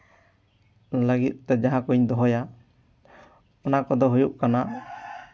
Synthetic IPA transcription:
ləɡit̪̚ˀt̪ɛd͡ʒaɦãkuɲd̪ɔɦɔja | ɔnakɔd̪ɔɦujuʔkana

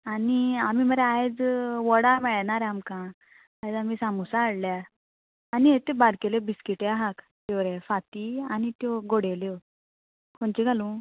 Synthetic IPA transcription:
aniamim̤əɾeajd͡zʋɔɽamɛɭnaɾeamkã | ajd͡zamisamusaːɽljaː | niet̪ebaɾkelebiskiʈeaɦak | t̪eʋɾefat̪ianit̪jɔɡoɽeljo | kʰoɳt͡ɕiɡʱalũ

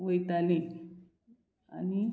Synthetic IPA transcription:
woitalẽ | a̰ni

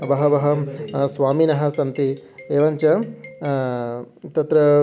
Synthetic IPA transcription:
bɐɦɐbɐɦɐsʋaːminɐɦɐ̆sɐnt̪ieːʋɐɲt͡ʃɐ | t̪ɐt̪ɾɐ

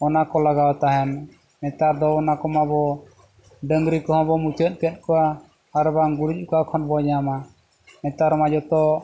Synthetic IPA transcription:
ɔnakɔlaɡawt̪aɦɛn | mɛt̪aɾd̪ɔɔnakɔmabɔ | ɖəŋɡɾikɔɦɔ̃bɔmut͡ʃət̪̚ˀkɛt̪̚ˀkɔwaː | ɾbaŋɡuɾic̚ˀkɔakʰɔnbɔd͡ʒama | mɛt̪aɾmad͡ʒɔt̪ɔ

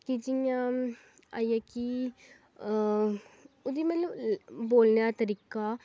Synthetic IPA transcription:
kid͡ʒɪjãː | a̰ːijaki | ʊd̪iːmɛt̪ləbboːlnjaːt̪əɾiːkaː

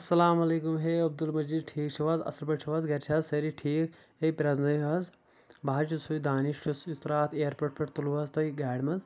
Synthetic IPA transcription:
ɐsːɐlaːmɐleːkumɦeːɐb̚d̪ulmɐd͡ʒid̪̚ʈʰiːk̚t͡ʃʰiʋɐzɐ̰sɾbɐʈt͡ʃʰuʋɐzɡɐɾt͡ʃʰɐzsɐɾiʈʰiːk | epɾɐznɐiʋɐz | baːt͡ʃusujd̪aːniʃʈʰusit̪ɾaːt̪ʰeːɾpoʈ̚pɐʈt̪uluʋɐzt̪ɐiɡaːɖmɐz

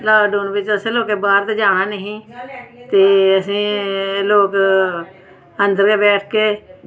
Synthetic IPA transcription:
laːɖoːnbɪt͡ʃəsẽːloːkeːbaːɾt̪eːd͡ʒaːɽaːnəɦĩːt̪eːəsĩːloːk | ənd̪əɾkeːbɛːʈʰkeː

